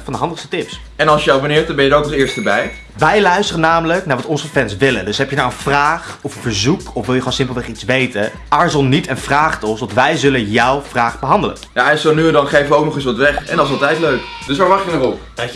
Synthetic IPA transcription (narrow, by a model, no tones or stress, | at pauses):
fɑndəɦɑndəχstətɪps | ɛnɑlˠsjəabənɪːɹtdɑnbɛnjədəɹoknɔɪːɹstəbɛj | ʋɛjlœɥstərənaːmələknaːɹʋɑtɔnzəfɛnsʋɪləndɵsɦɛpjənawənvraːχɔfəfəɹzukɔfʋɪlˠjəχonsɪmplˠʋɛχitsʋejtə | ʔaɹzɔnːitɛnv̥raːχtɔnsʋɑtʋɛjzɵlənjɑwv̥raːχbəɦɑndələ̰njaɛnsonyədɑnχejfəʋəowknɔχɪs̬ʋɑtʋɛχɛ̰ndɑɪsɑlˠtɛjtløɥk | d̥ɵs̬ʋaːɹʋɑχjənəχɔp